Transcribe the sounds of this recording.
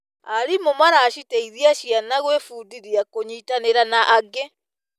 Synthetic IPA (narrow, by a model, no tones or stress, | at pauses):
aɾimomaɾaːʃiteiðiaʃianaɣwefuːdiɾiakoɲitaneɾanaʔaɡe